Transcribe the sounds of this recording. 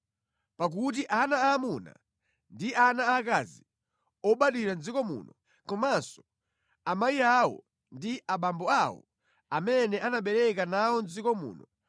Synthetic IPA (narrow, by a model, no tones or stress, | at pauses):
pak̬ut̬iʔanaːmuna̰ | ndiʔanaːkazi | ɔɓaɗiɾand͡zikɔmṵːnɔ | kɔmansɔ̥ | amajiawɔ̰ | ndiʔaɓambɔawɔ̰ | amɛnɛʔanaɓɛɾɛkanawɔnzikɔmṵːnɔ